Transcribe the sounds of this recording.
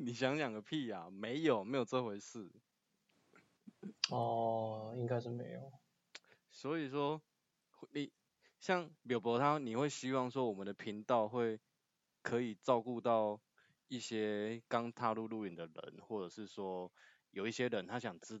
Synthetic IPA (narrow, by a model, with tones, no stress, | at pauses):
ni˨˩ɕjɑ˧˦ŋljɑ˨˩ŋɡə˩pʰi˥˩a˨˩me˨˧˦ɪjo˨˩ʊme˧˥ɪjo˨˩ʊt͡sə˥˧˩xwe˧˥ɪʂɹ̩˥˩ | ɔ˨˩i˦ŋka˥ɪʂ̩˥˩me˧˦ɪjo˨˩ʊ | swɔ˧˥i˨˩ʂwɔ˦˥ | ni˨˩ | ɕjɑ˥˩ŋljo˨˩ʊpjo˧˥t̪ʰa˦ni˨˩xwe˥˩ɪɕi˦wɑ˥˨ŋʂ̬wɔ˦wɔ˨˩mə˨nd̪ə˩pʰi˨˦ŋt̪ɑ˥˧ʊxwe˥˩ɪ | kʰɤ˨˦i˨˩ʈ͡ʂɑ˥˧ʊku˥˧t̪ɑ˥˨ʊ | i˥˩ɕjɛ˥kɑ˦ŋt̪ʰa˥˧lu˥˧lu˥˧i˨nd̪ə˩ɻə̰˧˦nxwɔ˥˩ʈ͡ʂɤ˨˩ʂɻ̩˥˩swɔ˦˥ | jo˨˩ʊi˥˩ɕjɛ˦˥ɻə˧˦nt̪ʰa˦ɕjɑ˨˩ŋt͡s̩˥